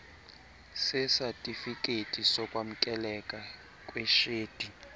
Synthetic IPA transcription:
sɪsatʼifikʼetʼisɔkʼwam̩kʼɛlɛkʼa | kʼwɛʃeːd̥ʱi

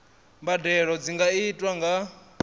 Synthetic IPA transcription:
mbadɛɺɔd͡ziŋɡaitʼwaŋɡa

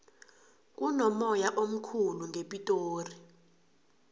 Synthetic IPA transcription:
k̬ʼunɔmɔjaʔom̩kʰuluŋʱepʼitʼoːri

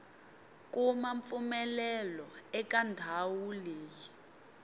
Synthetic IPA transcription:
k̬ʼumaɱfumɛlɛlɔɛk̬ʼandʱawuleːji

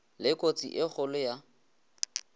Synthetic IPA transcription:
lɪkʼot͡sḭʔɪχʊlʊja

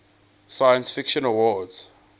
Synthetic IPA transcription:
sajãnsfikʃɔ̃nawɔdz̥

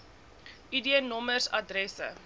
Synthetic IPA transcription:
idiənɔmərsɐ̰drɛsə̰

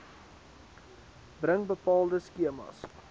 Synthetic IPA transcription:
brəŋbəpɑːlˠdəskiəmɑ̰s

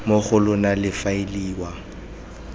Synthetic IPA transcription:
moχʊlʊnalɪfaɪliːwa

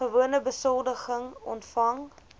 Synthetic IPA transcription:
əvuənəbəsɔlˠdəχəŋɔ̰ntfɐŋ

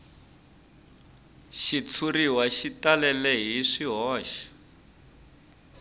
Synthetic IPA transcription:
ʃit͡sʰuriwaʃitalɛlɛɦiʂiɦɔːʃḁ

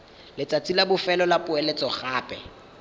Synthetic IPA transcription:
lɪt͡sʼat͡sʼilabʊfɛlɔlapʼʊelet͡sʼɔχaːpʼɛ̰

